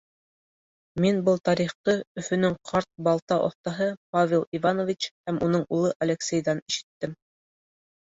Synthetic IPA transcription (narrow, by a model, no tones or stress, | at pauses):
minbɤlˠt̪ɑɾiχt̪ɤɵ̆fɵ̆nɵŋqʰɑɾt̪̚bɑlˠt̪ɑʔŏ̰θt̪ɑɦɤpavʲelˠivanovʲit͡ɕhæmunɤɴʔulˠɤʔɐlʲeksʲejðɑniʃɘ̥̆t̪ːɘm